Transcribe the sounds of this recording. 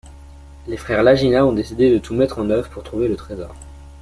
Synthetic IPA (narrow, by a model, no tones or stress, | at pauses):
lefχɛʁlaʒinaɔ̃d̪esid̪ed̪ət̪ʰumɛt̪χɑ̃nœvʁpuʁt̪χuvelət̪χezɔ̰ːʁ